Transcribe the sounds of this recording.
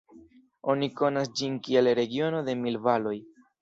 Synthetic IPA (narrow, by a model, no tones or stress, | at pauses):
o̞niko̞nasd͡ʒinkie̞lɾe̞ɡio̞no̞d̪e̞milvalo̞j